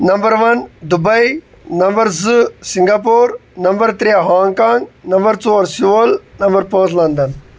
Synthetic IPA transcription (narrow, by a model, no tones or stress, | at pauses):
nɐmbɐɾʋɐnd̪ubɐj | nɐmbɐɾzɨsiŋɡapoːɾnɐmbɐɾt̪ɾeːɦãːŋkãːŋɡnɐmbɐɾt͡soːɾsiʋɐlnɐmbɐɾpəːzlɐnd̪ɐn